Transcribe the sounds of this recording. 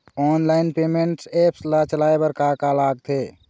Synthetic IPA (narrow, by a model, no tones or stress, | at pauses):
ɔnlainpemeɳʈsepʰslat͡ʃəlaebəɾkakalaɡ̚t̪ʰe